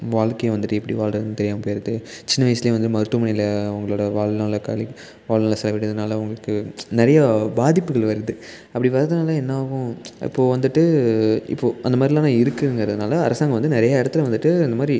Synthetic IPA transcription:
ʋaːɭkɐjʋɐnd̪ɯʈːɯɛpːɐɽiʋaːɭɾɐnɯt̪ɛɾɪjaːmɐpojɪɾɐðɯt͡ʃɪnːɐʋɐjsɪlɐjẽʋɐnd̪ːɯmɐɾɯʈ̪ːumɐɳɪlɐʊŋɡɐɭoːɽɐʋaːɭnaːɭɐka̰ːli | ʋaːɭnaːlɐsɛlɐʋɪʈːɐðɯnaːlɐʊŋɡɐɭɯkːɯnɛɾɐjabaːðɪpːɯɣɐɭʋɐɾɐðɯ | ɐpːɐɽiʋɐɾɐðɯnaːlɐɛnːaːɣʊ̃ɪ̰pːoːʋɐnd̪ɯʈːɯɪ̰pːoːʔɐnd̪ɐmaːd̪ɾilãːnãːɪɾɯkːɯɾɯŋɡɾɐðɯnaːlɐɐɾɐsaːŋɡɐ̃ʋɐnd̪ɯnɪɾɐjaɪɽɐt̪ːɪlʋɐnd̪ɯʈːɯɐnd̪ɐmaːd̪ɾi

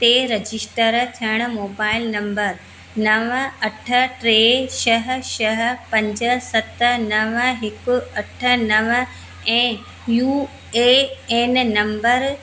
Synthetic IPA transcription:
t̪eɾɐd͡ʑɪsʈəɾt̪ʰijəɽ̃ʊ̆moːbaːɪlnɐ̃mbəɾ | nɐʋəɐʈʰə̆ʈɾeːʃɐɦ̆ʃɐɦ̆pɐ̃ɲd͡ʑə̆sɐt̪ə̆nɐʋəɦɪkʊ̆ɐʈʰə̆nɐʋə | ɛ̃ː | juː | eeːnnɐ̃mbəɾ

